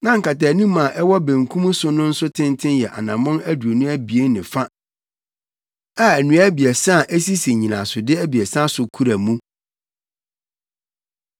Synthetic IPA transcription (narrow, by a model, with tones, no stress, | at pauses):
nã˦ŋ̩˨ka˨tɛː˨nũ˦mã˨ʔɛ˦wɔ˦bẽ˨ŋ˨kʰũ˦m̃˦sʊ˦nʊ̃˦n̩˦sʊ˦tʰɪ̃˦ntʰɪ̃˦njɛ˨ʔa̰˨nã˨mʊ̃˦næ˦du˨o˨nũ˦æ˦bi˨e˦nɪ̃˨fa˦ | a˨æ˨nũ˨˦æ˦bi˨æ˨sã˦˨ʔæ˦si˦si˨ɲĩ˨nã˨sʊ˨dɪ˦æ˦bi˨ɛ˨sã˦sʊ˨kʰu˦ɾa˨mũ˦